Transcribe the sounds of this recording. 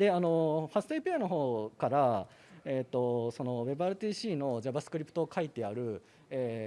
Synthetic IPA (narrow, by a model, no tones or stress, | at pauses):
d̪e̞ano̞ɸasɨ̥t̪aipeano̞ɦo̞ːkaɾa | e̞ːt̪ːo̞so̞no̞βe̞bɯ̟aɾɯ̟t̪iːɕiːno̞ʑabasɨ̥kɯ̟ɾʲipɯ̟̥t̪oːkʰait̪e̞aɾɯ̟ | eː